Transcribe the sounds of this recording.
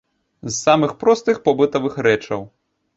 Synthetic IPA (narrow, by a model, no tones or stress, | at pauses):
zːamɨxpɾɔst̪ɨxpɔbɨt̪ɐvɨxɾɛt͡ʂɐw